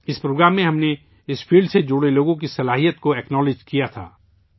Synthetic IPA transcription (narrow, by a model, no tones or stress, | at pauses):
ɪspɾoːɡɾaːmːẽɦɐmne | ɪspʰiːlɖsed͡ʒʊɽeloːɡõk̬isɐlaːɦijət̪̚koɛːknɔːled͡ʒkijat̪ʰa̰ː